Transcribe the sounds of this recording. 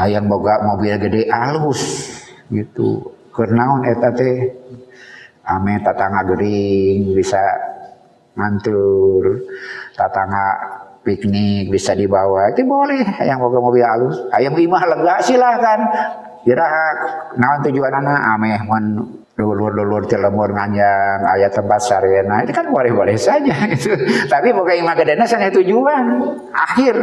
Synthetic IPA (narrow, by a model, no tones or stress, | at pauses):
ajaŋboɡaʔmobilɡədɛʔalusɡit̪ṵkərnaɔnet̪at̪ɛ | amɛht̪at̪aŋaɡəɾiŋbisa̰ | ŋant̪urt̪at̪aŋapiknɪk̚bisadibawait̪ubolɛhajaŋboɡamobilalusajaŋimahləŋɡaʔsilahkan | biɾaɦaknawant̪ud͡ʒuananaʔamɛhmɔn | dolʊrdolʊrt̪iləmʊrŋaɲd͡ʒaŋa̰jat̪əmpat̪̚saɾienait̪ukanbolɛhbolɛhsad͡ʒaɡit̪ut̪apipokaimahkədenasanat̪ud͡ʒuan | ʔahɪr